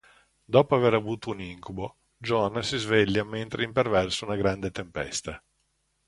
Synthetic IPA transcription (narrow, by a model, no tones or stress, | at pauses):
d̪ɔːpoaveɾavuːt̪ouniŋkubo | d͡ʒɔnasizveʎːament̪ɾeimpervɛrsounaɡɾand̪et̪empɛ̰st̪a